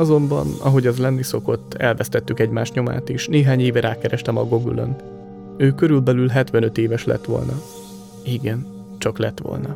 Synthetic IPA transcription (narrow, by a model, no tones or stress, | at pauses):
ɒzo̞mbɒ̰nɒ̰ɦo̞ɟɒzlɛnːiso̞ko̞t̪ːɛ̰lvɛst̪ɛt̪ːykɛɟmaːʃɲo̞ma̰ːt̪iʃneːɦaːɲeːvɛɾaːkɛɾɛʃt̪ɛmɒɡoɡy̰lø̰n | øːkø̞ɾylbɛlylɦɛt̪ʋɛnø̞t̪eːvɛʃlɛ̰t̪ʋo̞̰lnɒ | iɡɛn | t͡ʃɒklɛt̪ʋo̰lnɒ